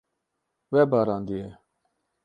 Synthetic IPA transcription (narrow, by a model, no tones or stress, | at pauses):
weːbaːɾaːnd̪ie